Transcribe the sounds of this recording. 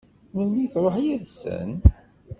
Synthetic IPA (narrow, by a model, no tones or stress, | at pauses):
məlmiθɾˤoħjəðsə̰n